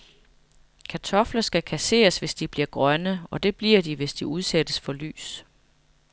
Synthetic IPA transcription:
kʰæt͡sʰɒ̽flɐsɡ̥ækʰæse̝̰ːɐsʋe̝sd̥ib̥liɐɡ̥ʁɶnəɒ̽d̥e̝b̥liɐ̰diʋe̝sd̥iuð̞ˠsed̥əsfɒ̽ly̰ːs

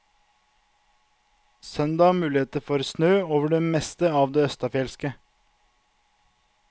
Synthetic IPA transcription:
sœnd̪ɑːmʉːlɪeːt̪əfɔɾsnøːoːʋəɖeːmɛst̪əɑːʋd̪eːœst̪ɑfjɛlskə

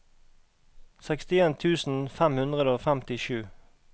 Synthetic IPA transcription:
sɛkst̪ɪeːnt̪ʰʉːsn̩fæmhʉnd̪ʁəd̪əoːfæmt̪ɪʃʉː

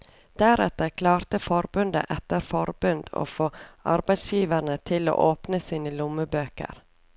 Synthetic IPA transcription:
d̪̥æɾɛt̪əɾkʰlɑːɾt̪əfɔɾbʉnd̪ə̰ʔɛt̪əɾfɔɾbʉnd̪̥o̰ːfoːʔɑ̰ɾbæɪd̪sjiːʋəɳət̪ʰɪlo̰ːʔoːpnəsiːnəlʊməbøːkə̰ɾ

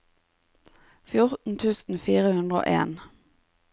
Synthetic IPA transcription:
fjʊʁt̪n̩t̪ʰʉːsn̩fiːʁəhʉnd̪ʁəo̰ːʔḛːn

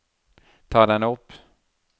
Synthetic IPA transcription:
t̪ʰɑːd̪ɛnɵpː

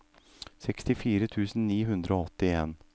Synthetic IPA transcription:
sɛkst̪ɪfiːɾət̪ʰʉːsn̩niːɦʉnd̪ɾəoːɔt̪ːɪeːn

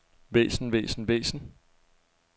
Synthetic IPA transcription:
ʋḛːsn̩ʋḛːsn̩ʋḛːsn̩

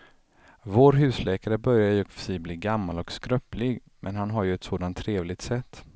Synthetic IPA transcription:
voːɾɦʉ̟ːslɛːkaɾəbœɾjajɵkfœ̥sɛjbliːɡamːalɔkskɾœplɪɡ | mɛnɦanɦaɾjɵɛt̪soːd̪ant̪ʰːɾeːvlɪɡ̚t̪sɛt̪ː

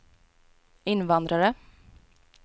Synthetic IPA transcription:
ɪnːvand̪ɾaɾə

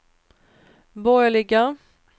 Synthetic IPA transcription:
bɔjlɪɡa

